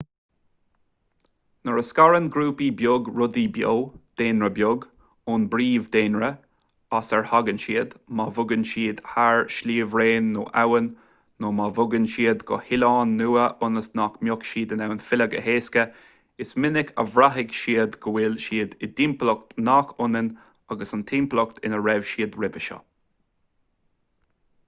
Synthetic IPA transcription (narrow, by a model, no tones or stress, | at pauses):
nəɹəskaɹənɡɾuːpibjʊɡɹʊd̪ibjo̰ːd̪̥eːnɹəbjʊɡ | ʊnbɾiːvd̪eːnɹə | asəɹhaɡənʃiːəd̪mavʊɡənʃiːd̪haɹʃliːvɹeːnːoːʔawənː | oːmavʊɡənʃiːəd̪ɡɔ̰hɪlɑːnːuːəʔʊnəsnakmjʊkʃiːd̪ənawənfɪləɡə̰heːskə | ɪsmɪnɪkʰə̰vɾaɦɪɡʃiːəd̪ɡ̥əwɪlʃiːd̪ɪd̪implɔk̚t̪nakʰʊnən | aɡəsʊnt̪ʰimplɔkt̪ʰɪ̰nəɾɛvʃiːd̪ɹɪbəʃɔ̰